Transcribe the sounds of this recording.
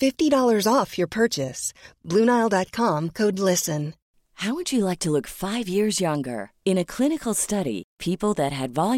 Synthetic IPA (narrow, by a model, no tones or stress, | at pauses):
fɪftiɾɔlˠə˞zɔfjə˞pʰɜ˞t͡ʃɨsb̥lʉ̃naɪlˠdɑt̚kʰɑ̃mkʰoʊdˡlɪsɨ̃n | haʊwəd͡ʒɨlaɪk̚tʰəlʊkfaɪvjɪɹzjʌ̃ŋɡə̰˞ɨ̃ñɨkʰl̥ɪnɨkl̩ˠstʌɾḭpʰipl̩ˠðɨt̚ɦɨdvɑlˠj